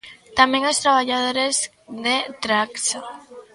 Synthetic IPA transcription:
t̪ameŋost̪ɾaβaʎað̞oɾez | ðet̪ɾaksa

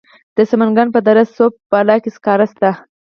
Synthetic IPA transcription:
d̪̥əsamanɡɑnpəd̪aɾasːop̚ːalɑkeskɑɾast̪a

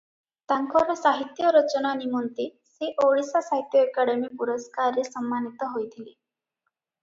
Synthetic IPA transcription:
t̪aŋkʰɔɾɔsaɦit̪jɔɾɔt͡ʃɔnanimɔnt̪iseʔoɭisasaɦit̪jɔekaɽemipuɾɔskaɾesɔmːanit̪ɔɦojt̪ʰili

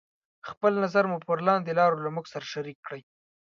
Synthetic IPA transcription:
xpəlnazaɾmupəɾlɑnd̪elɑɾolamuɡsaɾaʃaɾikːɽəj

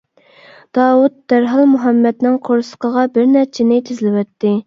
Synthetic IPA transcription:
d̪̥ɑːwut̪̚d̪̥æɾɦɑlˠmuɦɛmːɛd̪nɪŋqʰoɾsə̥qʰəʁɑbɪɾnæɾt͡ʃʰɪnɪt̪ʰɪzlɪwɛt̪ːɪ

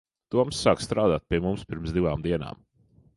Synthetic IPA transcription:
t̪uɔmsːaːkst̪ɾaːd̪aːt̪̚piɛmumspiɾmsd̪iʋaːmd̪iɛna̰ːm

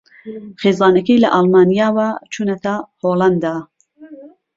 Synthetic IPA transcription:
χeːzɑːnɐkɐjlɐ̰ʔɑlˠmaːnijaːwat͡ʃʰuːnɐt̪ʰahoːland̪aː

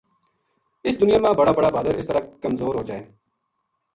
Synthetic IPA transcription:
ɪsd̪ʊnɪjaːmãːbəɽaːbəɽaːbaːd̪əɾɪ̰st̪əɾaːkəmzoːɾɦoːd͡ʒaːeː

